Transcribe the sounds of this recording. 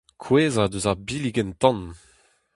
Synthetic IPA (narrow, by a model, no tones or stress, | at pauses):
kʰweːzad̪øzaʁbiliɡɛnt̪ɑ̃n